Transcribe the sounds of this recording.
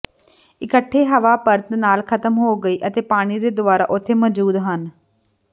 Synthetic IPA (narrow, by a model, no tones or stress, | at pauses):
ɪkəʈʰːeːɦəʋaːpəɾt̪naːlkʰət̪əmɦoːɡəiːʔət̪eːpaːɽ̃iːd̪eːd̪ʊʋaːɾa̰ːʔʊt̪ʰːeːməd͡ʒuːd̪ɦən